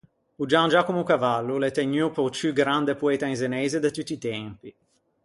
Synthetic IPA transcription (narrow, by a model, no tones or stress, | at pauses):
ud͡ʒand͡ʒakumukavalːulet̪eɲːupɔt͡ʃyɡɾand̪epuɛːt̪ainzenɛːzed̪et̪ut̪ːiːt̪ɛmpi